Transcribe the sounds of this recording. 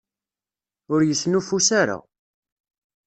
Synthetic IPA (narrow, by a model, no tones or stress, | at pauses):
ʊɾjəsːnufusaɾa̰